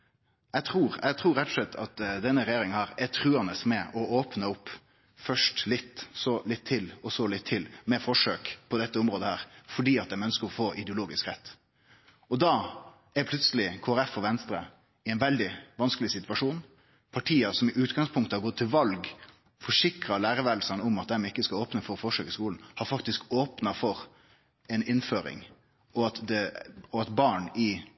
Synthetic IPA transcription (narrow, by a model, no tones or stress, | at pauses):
jɛɡt̪ʰɾuːɾɛ̰ɡt̪ʰɾuːɾɛt̪ːɔ̥slɛt̪ʰːɑt̪d̪ɛnːəɾɛjeːɾɪŋənhæːɾɛt̪ʰɾʉːɑnəsmɛʔɔoːpnəʊpː | fœʂʈlɪt̪ːsɔlɪt̪ʰːɪlɔsɔlɪt̪ʰːɪlmɛfɔʂøːkpʰɔd̪ɛt̪ːəʊmɾoːd̪əhæːɾfɔɖiːɑt̪̚d̪ɛmœnəskəɾɔfoːʔɪd̪ɛʊloːɡɪskɾɛt̪ː | ɔd̪ɑː | æpʰlʉt̪səlɪkʰoːæɾɛfɔʋɛnst̪ɾə | ɪɛɪnʋɛld̪ɪʋɑnskəlɪsɪt̪ʉʋɑʂuːn | pʰɑʈʰiːəsɔmɪʔʉːt̪ɡɑŋspʰʊŋkt̪əhɑɾɡɔt̪ʰːɪlʋɑlɡ | fɔʂɪkɾɑlæːɾəʋæːd̪l̩sɑnɔmɑt̪̚d̪ɛmɪkːəskɑoːpnəfɔɾɔfɔʂøːkɪskuːln̩hɑɾfɑkt̪ɪskoːpnɑfɔɾ | ɛnɪnføːɾɪ̰ŋ | ɔɑt̪d̪ɛɔɑt̪bɑːɳɪ